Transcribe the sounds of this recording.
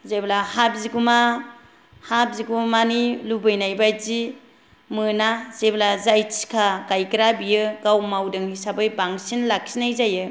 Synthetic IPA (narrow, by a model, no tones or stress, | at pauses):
zeblahap̚ziɡuma | hap̚ziɡumanilubɯjnajbajzi | mɯnazeblazajt͡ʃi̥kʰaɡajkɾabijɯɡawmawdɯŋisabɯjbaŋsinlakʰsinajzajɯ